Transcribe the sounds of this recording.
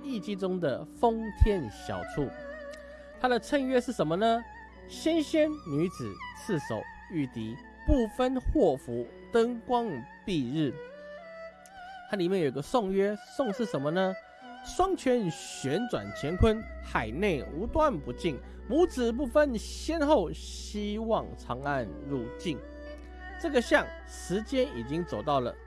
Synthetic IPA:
i˥˧t͡ɕi˥t͡sʊ˥ŋd̪ə̰˨fo˦ŋt̪ʰjɛ˥˩nɕjɑ̰˨˩ʊt͡sʰu˥˩ | t̪ʰa˥d̪ə˨t͡sʰə˥˧ŋɥɛ˥ʂɻ̩˥˩ʂə˧˦nmə˧nə˧ | ɕjɛ˥nɕjɛ˥nny˧˥t͡sɹ̩˨˩t͡s̩ʰ˥˩so̰˨˩˦ʊ | y˥˩t̪i˨˧˥ | pu˥˩fə˦nxwɔ˥˩fu˨˥ | t̪ə˥ŋkwɑ˥ŋpi˥˧ɻɻ̩˥˩ | t̪ʰa˥li˨mjnjo˨˩i˧˩ɡə˧sʊ˥˧ŋɥɛ˥sʊ˥˧ŋʂɻ̩˥˩ʂə˧˥nmə˧nə˧ | ʂwɑ˥ŋt͡ɕʰɥɛ˧˥nɕɥɛ˧˥nt͡swa̰˨˩nt͡ɕʰjɛ˧˥nkʰwə˦˥nxa˨˩ɪne˥˩ɪu˧˥t̪wa˥˩npu˧˥t͡ɕi˥˩ŋ | mu˧˥t͡sɹ̩˨˩p̬u˥˩fə˦nɕjɛ˥nxo˥˩ʊ | ɕi˥wɑ˥˨˩ŋʈ͡ʂʰɑ˧˥ŋa˥˧nɻu˥˧t͡ɕi˥˩n | ʈ͡ʂɤ˥˩ɡə˨ɕjɑ˥˩ŋ | ʂɻ̩˧˥t͡ɕjɛ˥ni˨˩t͡ɕi˦˥ŋt͡so˨˩ʊt̪ɑ˥˩ʊlə̰˩

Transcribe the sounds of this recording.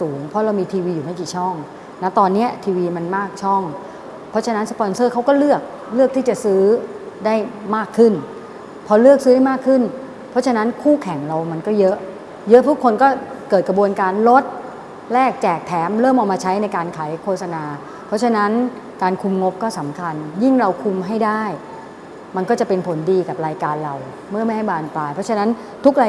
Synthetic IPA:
suː˩˦ŋpʰɔ˦˥ɾa˧wmiː˧t̪ʰiː˧wiː˧juː˨˩ma˥˩kiː˨˩t͡ɕʰɔ˥˩ŋ | na˦˥t̪ɔː˧nːi˦˥ɐt̪ʰiː˧wiː˧ma˧nmaː˥˩k̚t͡ɕʰɔ˥˩ŋ | pʰɔ˦˥t͡ɕʰa˧na˦˥nspɔ˧nsɤː˥˩kʰa˦˥wkɔː˥˩lɯ˥˩ək̚ | lɯ˥˩ək̚t̪ʰiː˥˩t͡ɕa˨˩sɯː˦˥daː˥˩jmaː˥˩kʰːɯ˥˩n | pʰɔ˧lɯ˥˩ək̚sɯː˦a˥˩jmaː˥˩kʰːɯ˥˩n | pʰɔ˦˥t͡ɕʰa˧na˦˥nkʰuː˥˩kʰɛ˨˩˦ŋɾa˧wma˧nkɔː˥˩jɤ˦˥ʔ | jɤ˦˥ʔt̪ʰu˦˥kʰːo˧nkɔː˥˩kɤː˨˩t̪̚kɾa˧bu˧ənkaː˧nlo˦˥t̪̚ | lɛː˥˩k̚t͡ɕɛː˨˩k̚t̪ʰɛː˩˦mɾɤː˥˩mʔaː˨˩maː˧t͡ɕʰa˦˥jna˧jkaː˧nkʰaː˩˦jkʰoː˥˩t̚sa˧naː˧ | pʰɾɔ˦˥t͡ɕʰa˧na˦˥n | kaː˧nkʰu˧mŋo˦˥p̚kɔː˥˩sa˩˦mkʰa˧nji˥˩ŋɾa˧wkʰu˧mɦa˥˩jdaː˥˩j | ma˧nkɔː˥˩t͡ɕa˨˩pe˧npʰo˩˦ndiː˧ka˨˩p̚ɾaː˧jkaː˧nɾa˧w | mɯ˥˩ma˥˩jɦa˥˩jbaː˧˩nplaː˧jpʰɔ˦˥t͡ɕʰa˧na˦˥n | t̪ʰu˦˥k̚ɾaː˧

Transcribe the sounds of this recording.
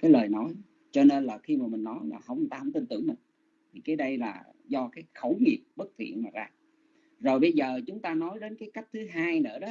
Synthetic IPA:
kaː˨˦jləː˨˩jnɔ˨˦j | t͡ɕɔ˧ne˧nlaː˨˩xi˧maː˨˩mï˨˩ŋ̟nɔ˨˦jlaː˨˩ɦə˧wŋ͡mt̪a̰ː˧˩mt̪i˧nt̪ɨ̰˧˩ŋmï˨˩ŋ̟ | t̪ʰi˨˩kaː˨˦jɗə˧jlaː˨˩ | zɔ˧kaː˨˦jxə˧˩wŋi˨˩əp̚ɓə˦˥k̚t̪ʰḭ˧˨ənmaː˨˩zaː˧ | zo˨˩jɓə˧jzəː˨˩t͡ɕʊ˨˦ŋ͡mt̪aː˧nɔ˨˦jɗe˨˦nkaː˨˦jka˦˥jk̚t̪ʰɨ˨˦ɦaː˧jnɨ̰˧˥əɗɔ˨˦

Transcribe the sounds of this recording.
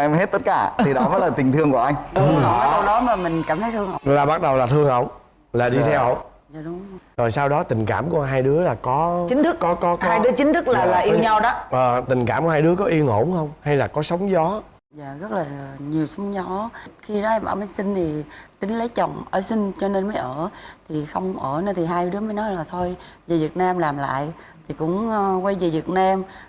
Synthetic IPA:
ʔɛ˧mhe˦˥t̚t̪ə˦˥t̚kaː˧˩t̪ʰi˨˩ɗɔ˨˦məː˨˦jlaː˨˩t̪i˨˩nt̪ʰɨ˧əŋku˧˩əʔa˧jŋ̟˧˨˦ə˨˦kə˧wɗɔ˨˦maː˨˩mï˨˩ŋ̟kaː˧˩mt̪ʰə˨˦jt̪ʰɨ˧əŋʔə̰˧˨laː˨˩ɓa˦˥t̚ɗə˨˩wlaː˨˩t̪ʰɨ˧əŋʔə˧˨wŋ͡m | laː˨˩ɗi˧t̪ʰɛ˧wə˧˨ | zaː˧˩ɗʊ˨˦ŋ͡mzo˨˩jsaː˧wɗɔ˨˦t̪ï˨˩ŋ̟ka̰ː˧˩mkɦaː˧jɗɨ˨˦əlaː˨˩kɔ˨˦t͡ɕï˨˦ŋ̟t̪ʰɨ˦˥kɔ˨˦kɔ˨˦kaː˧jɗɨ˨˦ət͡ɕï˨˦ŋ̟t̪ʰɨ˦˥k̚laː˨˩laː˨˩ʔi˧wɲa˧wɗɔ˨˦ʔəː˨˩t̪ï˨˩ŋ̟ka̰ː˧˩mkɦaː˧jɗɨ˨˦əkɔ˨˦ʔi˧əŋo̰˧˩ŋ͡mxə˧wŋ͡mha˧jlaː˨˩kɔ˨˦sə˨˦wŋ͡mzɔ˨˦ | za̰ː˧˨ɣə˦˥t̚laː˨˩ɲi˨˩əwsə˨˦wŋ͡mzɔ˨˦xi˧nɔ˨˦ʔɛ˧mʔa̰ː˧˩məː˨˦jsï˧ŋ̟t̪ʰi˨˩t̪ï˨˦ŋ̟lə˨˦jt͡ɕə˨˩wŋ͡mʔəː˧˩sï˧ŋ̟t͡ɕɔ˧ne˧nməː˨˦jʔəː˧˩t̪ʰi˨˩xə˧wŋ͡mʔəː˧˩nə˧˩nt̪ʰi˨˩ɦaː˧jɗɨ˨˦əməː˨˦jnɔ˨˦jlaː˨˩t̪ʰo˧jve˨˩vi˨˩ət̚naː˧mlaː˨˩mla̰ː˧˨j | t̪ʰi˨˩kʊ̰˧˥ŋ͡mkwa˧jve˨˩vi˨˩ət̚naː˧m

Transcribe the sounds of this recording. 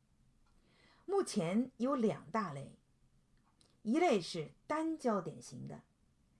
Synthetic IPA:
mu˥˩t͡ɕʰjɛ˧˥njo˧˥ʊljɑ̰˨˩ŋt̪a˥˧le˥˩ɪ | i˧˥le˥˧ɪʂɻ̩˥˩t̪a˥nt͡ɕjɑ˥ʊt̪jɛ̰˨˩nɕi˧˥ŋd̪ə̰˧

